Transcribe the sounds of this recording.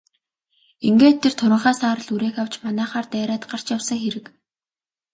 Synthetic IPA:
iŋɡeːt̪ʰːert̪ʰʊɾʲɪ̆ɴχaːsaːɾə̆ɮuɾeːxaw̥t͡ɕmanæːχaːrt̪æːɾaːt̪ɢar̥t͡ɕjawsə̆ŋxeɾɘ̆k

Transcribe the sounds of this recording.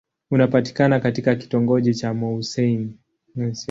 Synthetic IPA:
unapati̥kanakatikaki̥tɔŋɡɔʄit͡ʃamɔusɛini

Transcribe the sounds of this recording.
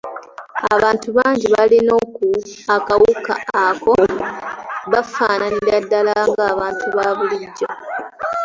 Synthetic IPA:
aβaːntuβaːɲɟiβalino̞ːkuakawuka̰ːko̞ | βafaːnaniɾadːalaŋɡaːβaːntuβaβuliɟːo

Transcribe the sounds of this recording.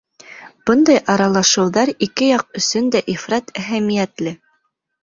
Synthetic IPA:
b̥ɤnd̪ɑjʔɑɾɑlˠɑʃɤ̆wðɑɾikɘjɑq̚ɵ̆sɵnd̪æʔifɾɑt̪æɦæmijæt̪lɘ

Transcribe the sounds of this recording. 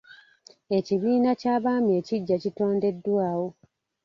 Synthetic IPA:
e̞ciβiːnacaːβaːme̞ːciɟːacito̞ːnde̞dːwaːwo̞

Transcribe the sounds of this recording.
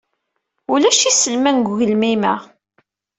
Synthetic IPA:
ulæʃisəlmænɡʷʝəlmimæ̰

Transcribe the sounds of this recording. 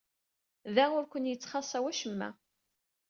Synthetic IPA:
ðæʊɾkʷənjət͡sːχɑsˤæwæʃəmːæ̰

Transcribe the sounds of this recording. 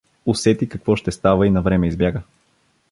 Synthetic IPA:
ʊsɛt̪ikɐkvɔʃt̪ɛst̪avəinɐvɾɛmɛizbjaɡə

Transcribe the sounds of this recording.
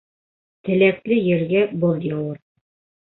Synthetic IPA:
t̪ɘ̆læklɘjɘ̆ɾɡæbɤlˠjɤwɤɾ

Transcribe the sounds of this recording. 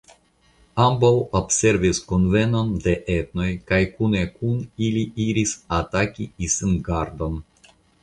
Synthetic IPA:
ambawobse̞ɾvisko̞nve̞no̞nde̞ʔet̪no̞jkajkune̞kuniliiɾisatakiisinɡaɾdo̞n

